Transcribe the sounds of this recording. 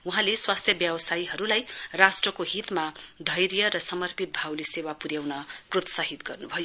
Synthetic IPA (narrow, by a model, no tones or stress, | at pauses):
uɦãleswast̪ʰjʌbjʌbsajiɦʌɾulajrasʈrʌkoɦit̪mad̪ʱʌjɾjʌɾʌsʌmʌrpit̪̚bʱawlisewapuɾjawnʌprot̪saɦit̪ɡʌrnubʱʌjo